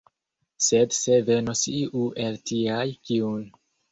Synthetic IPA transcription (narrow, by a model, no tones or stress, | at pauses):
sedse̞ve̞nosiʔuʔeltiajkiun